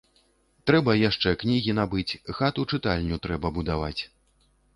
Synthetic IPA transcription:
t̪ɾɛbɐjaʂt͡ʂɛknʲiɣʲinabɨt͡sʲxat̪ut͡ʂɨt̪alʲnʲut̪ɾɛbɐbud̪ava̰t͡sʲ

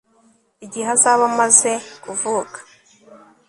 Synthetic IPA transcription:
iɟiɦazaβamaze̞kuvuːkḁ

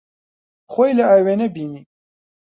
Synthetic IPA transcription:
xoːjlɐaːjweːnebiːniː

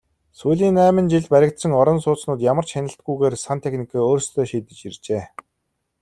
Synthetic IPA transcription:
suːɮiːnæːmə̆nt͡ɕiɮpæɾʲɪ̆k̚t̪sə̆ŋɔɾɞ̆nsʊːt͡snʊːt̪̬jamə̆rt͡ɕʃanʲɪ̆ɬt̪̚ɡujɣeːrsant̪ʰexnikʰaːoːrst̪ʰœːʃiːt̪ɘ̆t͡ɕirt͡ɕeː

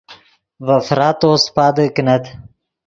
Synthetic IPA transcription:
vɐfɾɑːt̪oːspɑːd̪əknɐt̪

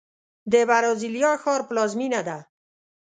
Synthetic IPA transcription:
d̪ebaɾoziljɑxɔɾplɑzminad̪a

